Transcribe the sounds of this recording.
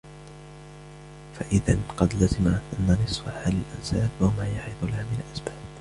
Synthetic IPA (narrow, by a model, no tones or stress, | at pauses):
faʔɪðanqɑd̪lazɪmaʔanːanɨsˤfaħaːlɪlʔansaːlwamaːjaʕɪðˤʊlahamɪnalʔasbaːb